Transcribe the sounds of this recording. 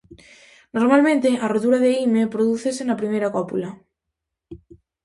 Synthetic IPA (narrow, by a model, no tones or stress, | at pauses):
noɾmalmẽnt̪eʔarot̪uɾaðeimepɾoðuθesenapɾimejɾakɔpula